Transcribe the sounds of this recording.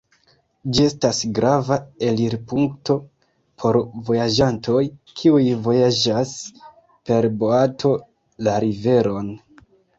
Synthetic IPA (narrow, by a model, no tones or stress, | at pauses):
d͡ʒie̞stasɡɾavae̞liɾpuŋkto̞ | pʰo̞ɾvo̞jad͡ʒanto̞jkʰiujvo̞jad͡ʒas | pe̞ɾbo̞atʰo̞ | laɾive̞ɾo̞n